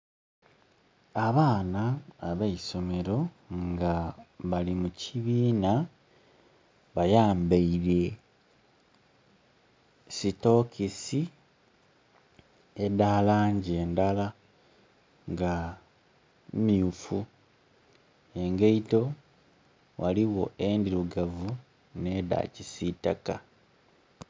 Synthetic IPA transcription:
aβaːnaːβaiso̞me̞ɾo̞ | ŋɡaβalimucʰiβiːna | βajaːmbeiɾe̞ | sito̞kʰisi | edaːlaːɲɟeːndala | ŋɡa | miufu | eŋɡeito̞ | waliwo̞endiɾuɡavu | ne̞ːda̰cisitaka

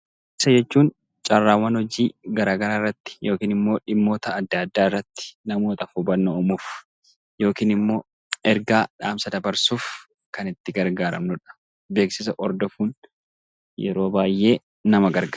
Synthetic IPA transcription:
ɪsɐd͡ʒɛt͡ʃːuːn | t͡ʃʼɐrːaːwːɐnhɔd͡ʒiːɡɐɾaːɡɐɾaːɪrːɐt̪ːɪ̥jo̞ːkiːnɪmːo̞ːᶑɪmːo̞ːt̪ɐːd̪ːad̪ːaːɪrːɐt̪ːɪ̥nɐmoːt̪ɐfubɐnːoːmuːf | jo̞ːkiːnɪmːo̞ː | ɛɾɡaːᶑaːmsɐd̪ɐbɐɾsuːf | kɐnɪt̪ːɪɡɐɾɡaːɾɐ̰mnʊᶑɐ̥ | beːksɪs̬ɐʔɔɾd̪ɔfuːn | jɛ̰ɾo̞ːbaːjʔe̞ː | nɐmɐɡɐɾɡaː

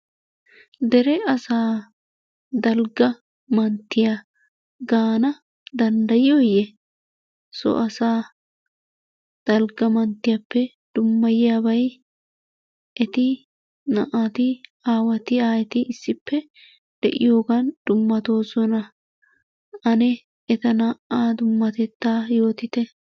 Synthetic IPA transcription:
d̪ɛɾɛɐsaː | d̪ɐlɡɐ | mɐnt̪ːɪja | ɡaːnɐ | d̪ɐnd̪ɐjɪjojɛ | sɔ̰ʔɐsaː | d̪̥ɐlɡɐmɐnt̪ːɪjɐpːɛ | d̪̥ʊmːɐjɪjaːbɐj | ʔɛt̪ɪ | nɐ̰ʔat̪ɪaːwɐt̪ɪaːɛt̪ɪʔɪsːɪpʰːɛ | d̪̥ɛ̰ʔɪ̰jo̞ːɡɐnd̪̥ʊmːɐt̪o̞ːsɔnɐ | ʔɐnɛ | ɛt̪ɐnɐʔaːd̪ʊmːɐt̪ɛt̪ːaːjo̞ːt̪ɪt̪ɛ

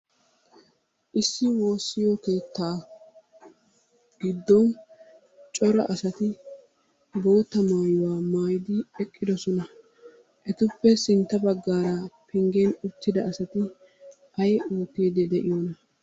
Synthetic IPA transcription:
ʔɪsːɪwo̞ːsːɪjoke̞ːt̪ːaː | ɡ̥ɪd̪ːɔn | t͡ʃʼɔɾɐ̰ʔɐsɐt̪ɪ | bo̞ːt̪ːɐmaːjʊwaːmaːjd̪ɪɛkʼːɪd̪ɔsɔnɐ | ʔɛt̪ʊpːɛsɪnt̪ːɐbɐɡːaːɾɐpɪŋɡeːnʊt̪ːɪd̪ɐʔɐsɐt̪ɪ | ɐjoːt̪eːd̪ɛd̪ɛʔɪjoːnɐ

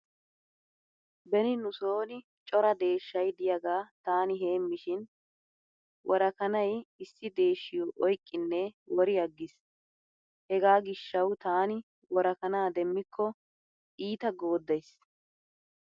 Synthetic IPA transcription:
bɛnɪnʊsoːnɪ | t͡ʃʼɔɾɐd̪e̞ːʃːɐjd̪ɪjɐɡaːt̪aːnɪɦe̞ːmːɪʃɪn | wʔɔɾɐkɐnɐjɪsːɪd̪e̞ːʃːɪjoʔɔjkʼːɪnːɛwɔɾɪjɐɡːɪs | hɛɡaːɡɪʃːɐwt̪aːnɪ | wɔɾɐkɐnaːd̪ɛmːɪkʰːɔ | ʔiːt̪ɐɡo̞ːd̪ːɐjs

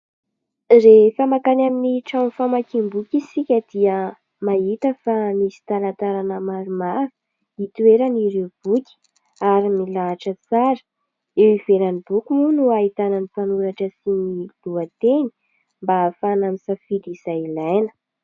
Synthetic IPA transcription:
refamakanaminiʈ͡ʂanfamakimbukisikʲəd̪̥iə | maɦit̪əfanisi̥t̪alant̪aɾanəmaɾumaɾu̥ | it̪weɾəniɾeub̥ukʲi̥ | aɾimilaːʈ͡ʂət͡saɾə̥ | ewivelanib̥ukumunuait̪ananipanuɾaʈ͡ʂəsinil̥uat̪eni̥ | mbafanamisafiliz̥ajilajnə̥

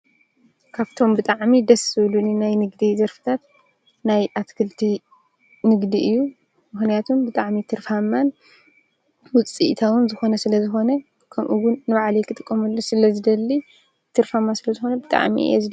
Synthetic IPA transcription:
kʰaβt̪ʰo̞mbɨt̪ʼaʕmid̪ɐsɨβluninajnɨɡd̪izɐɾfɨ̥t̪ʰat̪ | najʔat̪kʰɨlt̪ʰi | nɨɡd̪iʔɨjːu | mɨxnijat̪ʰumbɨt̪ʼaʕmit̪ʰɨɾfamːan | wʊt͡sʼḭt̪ʰawʊnzɨxo̞nɐsɨlɐzɨxo̞nɐ | kʰɐmʔuɡʊnːɨβaʕlijkʰɨt̪ʼɨkʼːɐmɐlːosɨlɐzɨd̪ɐlːi | t̪ʰɨɾfamːasɨlɐzɨxonɐbɨt̪ʼa̰ʕmḭɛ̰zɨd̪

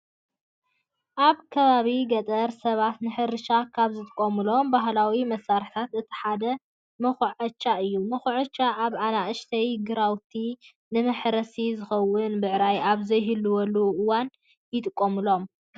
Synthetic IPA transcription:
ʔaβkʰɐβaβiɡɐt̪ʼɐɾsɐβat̪nɨħɨɾɨʃakʰaβzɨt̪ʼɨkʼːomɨlo̞mbaɦlawimɐsːaɾħt̪ʰat̪ɨt̪ʰi̥ħad̪ɐ | mɐxuʕɐt͡ʃːaʔɨjːumɐxuʕɐt͡ʃːaʔaβʕanaʔɨʃt̪ʰɐjɡɨɾawt̪ʰi | nɨmɐħɾɐsizɨxɐwːʊnbɨʕɾajaβzɐjɦɨlːuwɔluʔɨwan | jɪt̪ʼɨkʼːomɨlo̞m

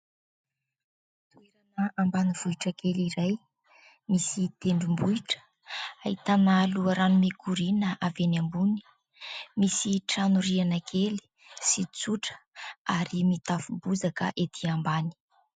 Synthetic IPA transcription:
t̪ueɾanəambaniv̥uiʈ͡ʂəkeliɾaj | misit̪eɳɖ͡ʐumbuiʈ͡ʂə̥ | ait̪analuaɾanumekʰuɾinəʔavenambuni̥ | misiʈ͡ʂanuɾianakʰeli̥ | sit͡suʈ͡ʂə̥aɾimit̪afubuzakə̰ʔet̪ʰiambani̥

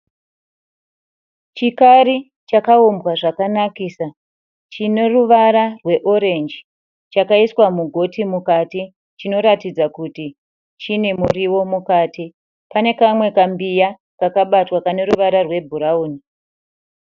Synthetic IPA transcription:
t͡ʃikaɾi | t͡ʃakaumbwaʐakanakiːsa | t͡ʃine̞ruʋaɾarwe̞ʔo̞ɾe̞nd͡ʒi | t͡ʃakaiswamuɡʱo̞timukati | t͡ʃino̞ɾatid͡zakuti | t͡ʃine̞muriwo̞mukaːti | pane̞kamwe̞kambija | kakaɓatwakane̞ɾuʋaɾarwe̞bʱuɾauːni

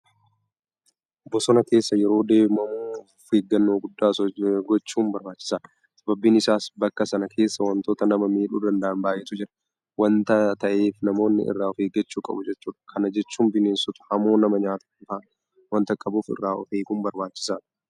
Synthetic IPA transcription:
ɔbːɔsɔnɐke̞ːsːɐjɛɾo̞ːd̪e̞ːmɐmuuː | fheːɡːɐnːoːɡʊd̪ːaːɡɔt͡ʃːuːmbɐɾbaːt͡ʃːɪ̥saː | sɐbɐbːiːnɪsaːsbɐkːɐsɐnɐkʰe̞ːsːɐwɐnt̪o̞ːt̪ɐnɐmɐmiːᶑuːd̪ɐnd̪ɐʔɐnbaːjʔɛt̪ʊd͡ʒɪɾɐ | wɐnt̪ɐt̪ɐʔeːfnɐmo̞ːnːɪ̰ʔɪ̰rːaːɔfeːɡɐt͡ʃːuːkʼɐ̰bʊd͡ʒɛt͡ʃːuːᶑɐ̥kʰɐnɐd͡ʒɛt͡ʃːuːmbɪneːnsʊt̪ʊ̥hɐmo̞ːnɐmɐɲaːt̪ɐ̥kːʊt̪aː | wɐnt̪ɐkʼɐbuːfɪ̰rːaːʔɔ̰feːɡuːmbɐɾbaːt͡ʃːɪ̥saː

